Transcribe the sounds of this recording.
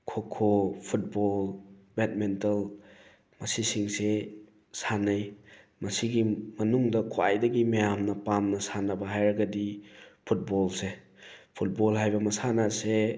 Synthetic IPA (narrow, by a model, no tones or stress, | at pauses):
kʰokʰopʰut̚bolbet̚mentɐl | mɐsisiŋse | sanɐj | mɐsiɡimɐnuŋdɐkʰoajdɐɡimejamnɐpamnɐsanɐbɐɦajɾɐɡɐdipʰut̚bɔlse | pʰut̚bɔlɦajbɐmɐsanase